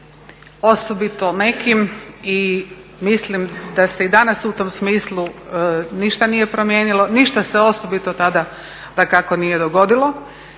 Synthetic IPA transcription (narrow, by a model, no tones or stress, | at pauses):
osobit̪o̞ne̞kimimislimd̪ase̞id̪anasut̪omsmiːslˠu | niʃt̪anije̞pɾo̞mjeːnilo̞niʃt̪aseo̞sobit̪o̞t̪ad̪a | d̪akakonije̞d̪oɡo̞d̪ilˠo̞